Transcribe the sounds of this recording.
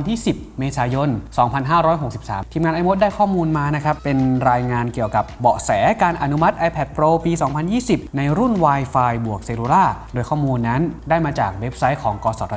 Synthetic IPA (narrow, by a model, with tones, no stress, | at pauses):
nt̪ʰiː˥˩si˨˩p̚meː˧saː˩˦jo˧nsɔː˩˦ŋpʰa˧nɦaː˥˩ɾɔː˦˥jɦo˨˩k̚si˨˩p̚saː˩˦mt̪ʰiː˧mŋaː˧nʔa˧mo˦˥t̪̚daː˥˩jkʰɔː˥˩muː˧nmaː˧na˦˥kʰɾa˦˥ppːe˧nɾaː˧jŋaː˧nki˨˩əwka˨˩p̚bɔ˨˩ʔsɛː˩˦kaː˧nʔa˧nu˦˥ma˦˥t̪̚ʔa˧jpʰɛ˨˩t̪̚pʰɾoː˧piː˧sɔː˩˦ŋpʰa˧njiː˥˩si˨˩p̚na˧jɾu˥˩nwaː˧jfaː˧jbu˨˩ək̚seː˧lu˧laː˥˩doː˧jkʰɔː˥˩muː˧nːa˦˥ndaː˥˩jmaː˧t͡ɕaː˨˩k̚we˦˥p̚sa˦˥jkʰɔː˩˦ŋkɔː˧sɔ˨˩t̪̚